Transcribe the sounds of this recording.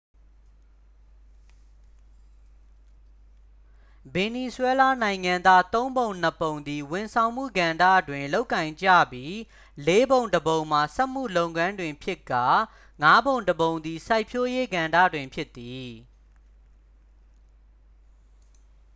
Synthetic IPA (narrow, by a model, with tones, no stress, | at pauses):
bɪ̃˨ni˨swɛ˦la˦nã˨ɪ̃ŋã˨nd̪a˦t̪õ˦ʊ̃mbõ˨ʊ̃n̥əpõ˨ʊ̃nd̪i˨wɪ̃˨nsʰã˨ʊ̃mṵ˦˨ɡã˨ndä̰˦˨dwɪ̃˨nlo˦ʊkːã˨ɪ̃ɲd͡ʑä̰˦˨bji˦ | le˦bõ˨ʊ̃ndəbõ˨ʊ̃m̥a˨sɛ˦ʔm̥ṵ˦˨lõ˦ʊ̃ŋã˦ndwɪ̃˨mpʰjɪ˦kːa˦˨ | ŋa˦bõ˨ʊ̃ndəbõ˨ʊ̃nd̪i˨sa˦ɪpʰjo˦je˦ɡã˨ndä̰˦˨dwɪ̃˨mpʰjɪ˦t̪ːi˨